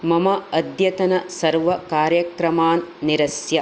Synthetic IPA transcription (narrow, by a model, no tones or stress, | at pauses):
mɐmɐɐd̪jɐt̪ɐnɐsɐɾʋɐkaːɾjɐkɾɐmaːnːiɾɐsjɐ